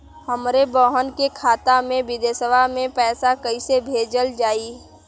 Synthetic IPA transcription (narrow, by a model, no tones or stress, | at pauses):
ɦəmɾebɔːɦənkekʰaːt̪amẽʋɪd̪eːsəbʱamẽpɛːsakəisebʱeːd͡ʒəld͡ʒaːiː